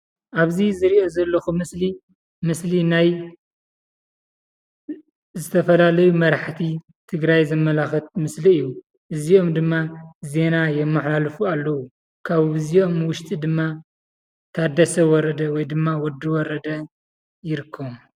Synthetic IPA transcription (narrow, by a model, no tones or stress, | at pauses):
ʔaβzizɨɾiʔo̞zɐlːɐxumɨsli | mɨslinaj | zɨt̪ʰɐfɐlalɐjumɐɾaħt̪ʰi | t̪ʰɨɡɾajzɐmːɐlaxɐt̪̚mɨsliɨjːu | ʔɨzio̞md̪ɨmːaze̞najɛmːaħlalfualːɐwu | kʰaβɨzio̞mwʊʃt̪ʼid̪ɨmːa | t̪ʰad̪ɐsɐwɔɾɐd̪ɐwɔjd̪ɨmːawɔd̪iwɔɾɐd̪ɐ | jɪɾɨkʰːɐm